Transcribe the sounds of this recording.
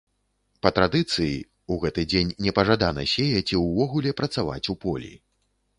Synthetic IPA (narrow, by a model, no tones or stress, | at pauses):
pɐt̪ɾad̪ɨt̪sɨjḭ | uɣɛt̪ɨd͡zʲenʲːɛpɐʐad̪anɐ̰sʲejɐt͡sʲiwvɔɣulʲɛpɾɐt̪sava̰t͡sʲupɔlʲḭ